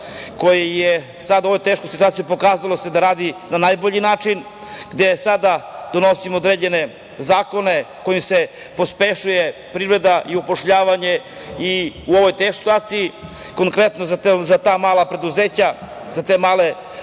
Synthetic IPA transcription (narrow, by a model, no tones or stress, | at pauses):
ko̞jeje | sad̪oʋo̞jt̪eʃkosit̪uat̪jupo̞kaːzalˠo̞se̞d̪aɾaːd̪inanajbo̞ʎinaːt͡ʂin | ɡd̪e̞sad̪ad̪o̞no̞simood̪ɾed͡ʑe̞ne̞ | zaːko̞ne̞ | ko̞jimse̞ | po̞spe̞ʃujepɾivɾe̞d̪aʔiupo̞ʃʎaːʋaɲe̞ | iuoʋo̞jt̪esi̥t̪uaːt̪iji | ko̞ŋkɾe̞t̪nozazat̪aːmaːlˠapɾe̞d̪uzeːt͡ɕa | zat̪e̞ːmaːle